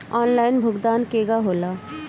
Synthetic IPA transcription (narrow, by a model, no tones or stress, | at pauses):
ɔːnlaːɪnbʱʊɡd̪aːnkeːɡaɦoːlaː